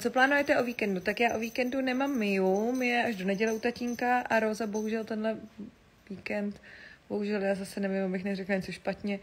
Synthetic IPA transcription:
t͡so̞plaːnujɛt̪ɛʔo̞viːkɛndut̪akjaːʔo̞viːkɛndunɛmaːmːɪjumɪjɛʔaʒdo̞nɛɟɛlɛut̪aciːŋkaʔaɾozabo̞ɦuʒɛlt̪ɛnɦlɛ | viːkɛnt̪bo̞ɦuʒɛljaːzasɛnɛvimabɪxnɛrɛklaɲɛt͡soʃpat̪ɲɛ

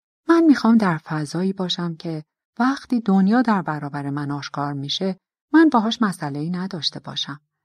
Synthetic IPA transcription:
mænmiːxɒːmd̪æɾfæzɒːiːbɒːʃæmcʰe̞ | væxt̪iːd̪onjɒːd̪æɾbæɾɒːbæɾe̞mænɒːʃkʰɒːɾmiːʃe̞ | mænbɛːɦɒːʃmæsæle̞iːnæd̪ɒːʃt̪e̞bɒ̰ːʃæm

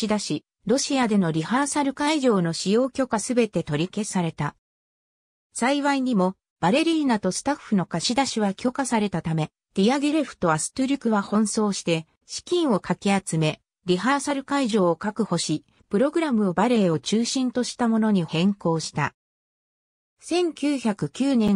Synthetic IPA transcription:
id̪aɕi | ɾo̞ɕiad̪e̞no̞ɾʲihasaɾɯ̟kaiʑo̞ːno̞ɕijo̞ːkʲo̞kasɨbe̞t̪e̞t̪o̞ɾʲike̞saɾe̞t̪a | saiβaiɲ̟imo̞ | b̥aɾe̞ɾʲiːnat̪o̞sɨ̥t̪aɸːɯno̞kaɕid̪aɕiβakʲo̞kasaɾe̞t̪at̪ame̞ | d̥̪ʲijaɡɯɾeɸɯ̥t̪o̞asɨ̥t̪oɾʲikɯ̟βahõ̞ɰ̃so̞ːɕi̥t̪e̞ | ɕi̥kʲĩɰ̃o̞kakʲiat͡sɨme̞ | ɾʲiɦaːsaɾɯ̟kaiʑo̞ːkakɯ̟ho̞ɕi | pɯ̟ɾo̞ɡɯ̟ɾamɯ̟obaɾe̞ːo̞t͡ɕɨːɕĩnt̪o̞ɕi̥t̪amo̞no̞ɲ̟ihẽ̞ŋko̞ːɕi̥t̪a | sẽ̞ŋkʲɨːçakɯ̟kʲɨːnẽ̞ŋ

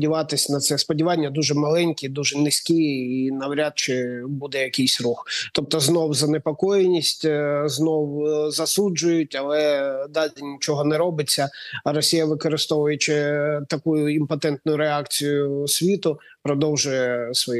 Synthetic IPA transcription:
dʲiʋɑt̪ɪsʲnɐt̪sɛspɔdʲiʋɑnʲːɐd̪uʒɛmɐlˠɛnʲkʲid̪uʒɛnɪsʲkʲiinɐwɾʲɑt̪̚t͡ʃɪbud̪ɛjɐkʲijsʲruxt̪ɔp̚t̪ɔznɔwzɐnepɔkɔjenʲisʲtʲznɔwzɐsud͡ʒʊjʊtʲɐlˠɛd̪ɑlʲɪnʲit͡ʃɔɦɔnɛɾɔbɪt͡sʲːɐɐɾɔsʲijɐʋɪkɔɾɪst̪ɔʋʊjet͡ʃɪt̪ɐkujʊimpɐt̪ɛnt̪̚nʊjʊɾeɑkt͡sʲijʊsʲʋʲit̪ʊ | pɾɔd̪ɔwʒʊjɛsʋɔj

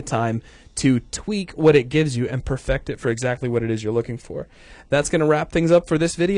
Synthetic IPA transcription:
ɨtʰãɪ̃m | tʰɨtʰw̥ikwʌɾɨt̚ɡ̥ɪvzjɨʔɨ̃npʰə˞fɛk̚tɨtfə˞ɨɡzæk̚tˡliwʌɾɨɾɨzjə˞lʊkɪ̃ŋfə̰˞ | ðætsɡ̥ʌnəɹæp̚θɪ̃ŋzʌpfə˞ðɪsvɪɾi

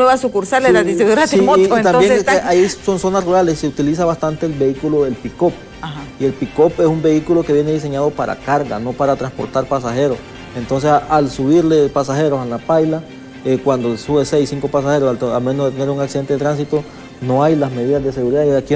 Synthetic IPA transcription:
eβasukuɾsaɾleladiiuɾasiot̪ambjeeeaiso̞nso̞nasruɾalesseut̪ilis̬aβast̪ant̪e̞ːlbe̞ikulo̞elpiko̞p̚ | haie̞lpiko̞pe̞sumbe̞ikulo̞keβje̞neðis̬e̞ɲaðo̞paɾa̰kaɾɡa̰no̞paɾat̪ɾanspo̞̰ɾt̪aɾpasaxe̞ɾos | ent̪o̞ns̬esalsuβiɾlepasaxe̞ɾosalapajla | ekwand̪osuβe̞se̞jsiŋko̞pas̬axe̞ɾosalt̪alme̞noðet̪ene̞ɾuŋaksiðeneet̪ɾans̬it̪o̞ | no̞ajlasme̞ðiðazd̪e̞se̞ɣuɾiðaiaki

